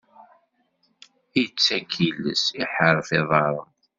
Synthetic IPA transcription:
iət͡sːækʰilːə̰siħəɾˤfiðˤɑɾˤə

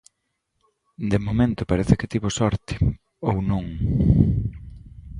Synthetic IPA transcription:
d̪emomẽnt̪ʊpaɾeθɪket̪iβosɔɾt̪ɪ̥ | ownõŋ

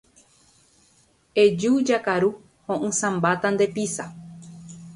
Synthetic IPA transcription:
ed͡ʒud͡ʒakaɾu | hõʔɨ̃sãmbat̪and̪e̞pisa

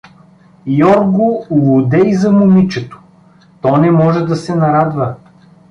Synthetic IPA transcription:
jɔɾɡʊlˠod̪ɛizɐmʊmit͡ʃɛt̪o̥ | t̪ɔnɛmɔʒɛd̪ɐsɛnɐɾad̪və

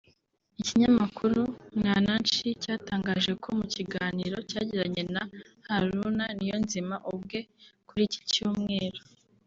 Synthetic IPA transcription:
iciɲamakuɾuŋaːnant͡ʃicaːtaːŋɡaːʒe̞kʰo̞muciɡaːniːɾo̞caːɟiɾaɲe̞na | haɾunanijonzimaʔubɡe̞kuɾici̥cuːmŋe̞ːɾo

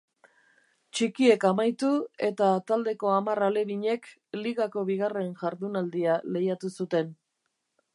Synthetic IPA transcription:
t͡ʃikie̞kamajt̪ue̞t̪at̪ald̪e̞ko̞amarale̞βiɲe̞k | liɣako̞βiɣ̞are̞nʝaɾðunald̪iale̞jat̪usut̪e̞n

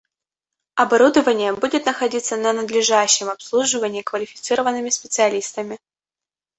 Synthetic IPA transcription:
ɐbɐɾud̪əvənʲɪjəbudʲɪt̪nəxɐdʲit̪sːənənəd̪lʲɪʐaɕːɪmɐpslˠuʐɨvənʲɪːkvəlʲɪfʲɪ̥t̪sɨɾəvənːɨmʲɪspʲɪt̪sɨɐlʲist̪əmʲɪ

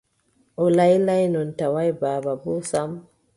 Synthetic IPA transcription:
ʔɔlajlajnɔntawajbaːbabɔsam

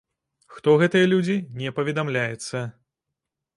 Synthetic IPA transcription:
xt̪ɔɣɛt̪ɨjɐlʲud͡zʲinʲɛpɐvʲɛd̪amlʲajɛt̪sːɐ

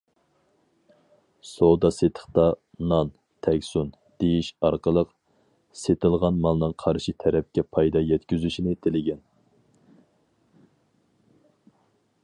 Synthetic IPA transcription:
sod̪ɑset̪ʰə̥χt̪ɑ | nɑn | t̪ʰɛkʲsun | d̪̥ejiʃɑɾqəlˠəq | set̪ɨlˠʁɑnmɑlˠnɨŋqʰɑɾʃit̪ʰɛɾɛp̚kʲɛpʰɑjd̪ɑjɛt̪kʲyzyʃinɪt̪ʰelɪɡʲɛn

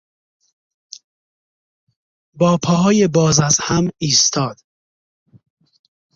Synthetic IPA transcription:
bɒːpʰɒːɦɒːjebɒːzæzhæmiːst̪ʰɒːd̪̥

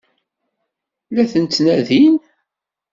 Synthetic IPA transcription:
læθənt͡s̪ːnæðin

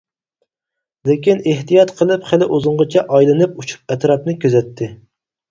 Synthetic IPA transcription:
lekʲineht̪ijɑt̪qʰəlˠɨpχælɪʔozʊɴʁət͡ʃʰɛʔɑjlˠɨnɨp̚ut͡ʃʰu̥p̚ɛt̪ɾɑp̚nɨkʲʰøzɛt̪ʰːɪ

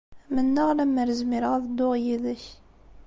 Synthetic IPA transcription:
mənːəʁlæmːəɾəzmiɾəʁðəd̪ːʊʁjiðəç

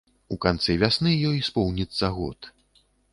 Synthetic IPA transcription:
ukant̪sɛvʲasnɨjɔjspɔwnʲit̪sːɐɣɔ̰t̪

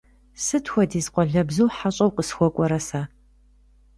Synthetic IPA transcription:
sɨtʰxʷɔdiːzqʷʼɔɮɐbzuːħaɕʼɐwqəsxʷɔkʷʼɔɾɐsaː

